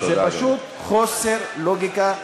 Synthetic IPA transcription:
zepaʃut̪̚ | χoseʁloɡika

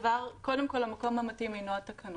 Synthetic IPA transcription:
vaʁkodemko̞lamako̞mhamatimenoat̪akʰɐn

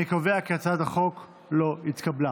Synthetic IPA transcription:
ekaveaket͡sad̪aχo̞k | lo̞it̪kabla

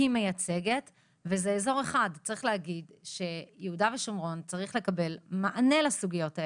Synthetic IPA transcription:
ime̞jat͡se̞ɡe̞t | vezeːzo̞ʁe̞χadt͡saʁiχleɦaɡidʃe̞jeudaveʃomʁo̞nt͡saʁiχle̞kabe̞lmaʔane̞lasuɡijo̞tae

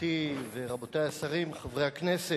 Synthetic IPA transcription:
iveʁabotajasaʁimχavʁejhaknese

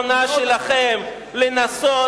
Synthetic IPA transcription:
naʃelaχem | lenaso

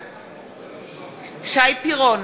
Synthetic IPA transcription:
ʃaipʰiɣɔn

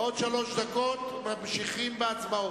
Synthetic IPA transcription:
od̪ʃalo̞ʃd̪ako̞t̪mamʃiχimbeat͡smao

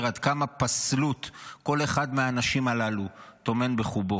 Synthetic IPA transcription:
ʁad̪kamapaslut̪ko̞le̞χadmeaːnaʃimalalut̪o̞me̞nbe̞χubo

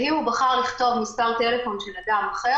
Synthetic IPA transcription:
hiubaχaʁliχt̪o̞vmispaʁt̪e̞le̞fo̞nʃelad̪amaχe

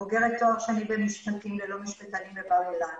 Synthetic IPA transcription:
oɡeʁet̪ːoaχʃeanibenmiʃχatimlelo̞miʃbet̪alimlebawelan

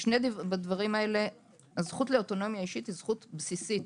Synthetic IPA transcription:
ʃnedbadvaʁimae̞le̞ | zχutleoto̞no̞mjaiʃitizχutbsisit

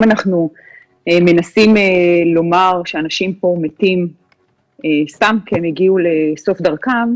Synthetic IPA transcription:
manaχnu | eme̞nasimelo̞maʁʃeanaʃimpo̞metim | est̪amkeemjiɡiuleso̞fdaʁkam

